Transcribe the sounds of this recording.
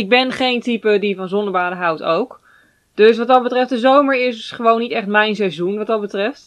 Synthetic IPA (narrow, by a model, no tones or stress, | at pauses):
ɪɡ̚bɛnχejntipədivɑnzɔndəbaːdəɦʌwtowk | d̥øs̬ʋɑt̚dɑt̚bətrɛft̚dəzowməɹɪsχəʋownːitɛχtmɛjnsɛjzunʋɑt̚dɑt̚bətrɛft